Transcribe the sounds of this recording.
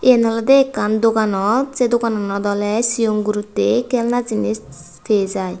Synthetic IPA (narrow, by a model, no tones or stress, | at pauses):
enɔlɔd̪eːkːand̪okanɔzed̪okanɔnɔd̪ɔlɛsijoŋɡuɾut̪ːekɛlnazinis | t̪ʰezaj